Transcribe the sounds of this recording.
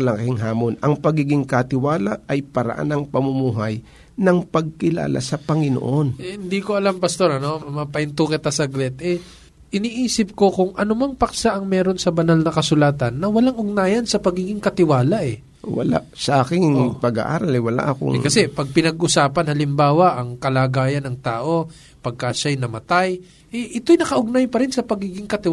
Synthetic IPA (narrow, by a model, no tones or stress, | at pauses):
lakɪŋɦaːmonɐŋpɐɡiːɡɪŋkɐt̪ɪwaːlaɐjpɐɾɐ̰ʔa̰nɐŋpɐmʊmuːɦɐj | nɐŋpɐɡ̚kɪla̰ːla̰sɐpɐŋɪno̰ʔonɛhɪnd̪iko̞ʔɐlampɐst̪o̞ɾɐno̞mɐpɐʔɪnt̪ukɪt̪asɐɡɾɛt̪ʔɛ | ʔɪniːʔiːsɪp̚ko̞kʊŋʔɐnʊmɐŋpɐk̚saʔɐŋmɛːɾo̞nsɐbɐnalnɐkɐsʊlaːt̪ɐnːɐwɐlaŋʔʊɡ̚naːjɐnsɐpɐɡiːɡɪŋkɐt̪ɪwaːlɐʔɛ | wɐ̰la̰ | sɐʔaːkɪŋpɐɡa̰ʔa̰ːɾɐlɛwɐla̰ʔɐko̰ŋkɐsɛpɐɡ̚pɪnɐɡʔʊsaːpɐnhɐlɪmbaːwɐʔɐŋkɐlaːɡaːjɐnɐŋt̪aːʔo̞ | pɐɡ̚kaʃajnɐmɐt̪aj | ʔɛʔɪt̪o̞jnɐkɐʔʊɡ̚najpɐɾɪnsɐpɐɡiːɡɪŋkɐt̪ɪ